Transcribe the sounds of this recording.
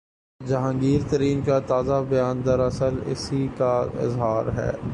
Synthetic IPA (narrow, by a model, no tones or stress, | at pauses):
d͡ʒɐɦãːŋɡiːɾt̪ɐɾiːnkat̪aːzabɐjaːnd̪ɐɾɐsəlɪ̰sikaɪ̰zɦaːɾɦɛ̰ː